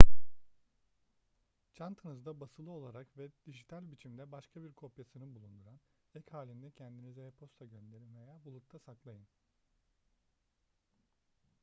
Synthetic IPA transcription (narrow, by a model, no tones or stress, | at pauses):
t͡ʃʰant̪ʰanɯzd̪abasɯlˠɯo̞lˠaɾakvɛd̪̥id͡ʒit̪ʰælʲbit͡ʃʰimd̪ɛbaʃkʰabiɾkʰo̞pjasɯnɯnbulˠund̪uɾan | ɛchaːlʲind̪ɛcʰɛnd̪inizɛɛpʰo̞st̪ʰaɟønd̪e̞ɾinvejaːbulˠut̪ʰˠasaklˠajɯn